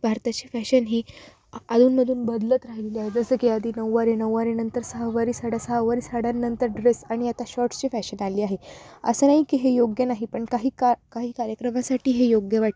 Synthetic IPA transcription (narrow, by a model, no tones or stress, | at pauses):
bʱaɾt̪at͡ɕifɛɕənɦiː | ad̪uːnməd̪ʱuːnbəd̪lət̪ɾaɦileliaɦed͡zəsəːkiad̪ʱiːnəʋːaɾinəʋːaɾinənt̪əɾsəɦəʋaɾiːsaɽasəɦəʋaɾiːsaɽanːənt̪əɾɖɾesaɽ̃iat̪aɕɔɾʈt͡ɕiːfɛɕənaliːaɦeə̰sənaɦikiɦejoɡjənaɦipəɳkaɦiːkkaɦiːkaɾjəkɾəmasaʈiːɦejoɡjəʋaʈ